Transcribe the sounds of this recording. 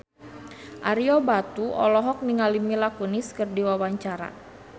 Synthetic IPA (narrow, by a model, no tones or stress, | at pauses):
ʔaɾiɔbat̪uɔ̰lɔɦɔk̚niŋalimilakuniskərdiwawaɲt͡ʃaɾa̰